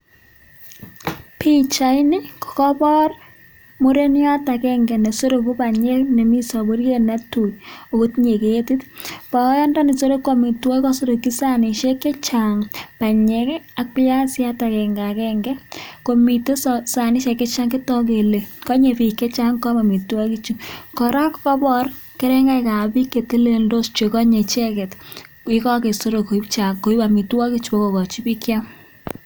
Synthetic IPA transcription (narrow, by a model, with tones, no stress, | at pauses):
pi˦t͡ʃa˨i˦nɪ˦kɔ̥˨kɔ˦pɔ˦r | mo˦ɾe˦nja˦ta˨kɛ˦ŋɡɛ˨nɛ˨so˦ɾo˨ku˦pa˨ɲɛ˦kne˨mi˦sɔ˨bo˦ɾje˦na˦tu˨jo˨ko˦tɲe˨ke˨e˦ti˦tpɔ˨˦jɔ˦ndɔ˦ni˨so˦ɾo˦kːɔ˨mi˨twɔ˦kɔ˦so˦ɾo˨ki˦sa˦nɪ˨ʃe˦kɛ˦t͡ʃaŋpa˨ɲɛ˦ka˦k̚pi˦ja˦sja˦ta˨kɛ˨ŋɡa˨kɛ˦ŋɡɛ˦ko˨mi˨to˦ssa˨ni˦ʃɛ˨kɛ˦t͡ʃa˦ŋki˦tɔ˦ke˨le˨kɔ˦ɲe˨pi˨kɛ˦t͡ʃa˦ŋkɔ˦ma˨mi˨twa˦ki˦t͡ʃu˦kɔ˨ɾa˦kkɔ˦bɔ˦r | kɛ˦ɾɛ˦ŋɡa˦ka˨pi˦kːe˨te˦le˨ndo˦st͡ʃe˨kɔ˦ɲe˨t͡ʃɛ˦kɛ˨t | ɪ˦kɔ˦ke˨so˦ɾo˨ko˨i˦pt͡ʃa˨ŋko˨i˦ba˨mi˨twa˦ki˦t͡ʃu˦pɔ˦kɔ˨kɔ˨t͡ʃi˦pi˦kja˦ŋ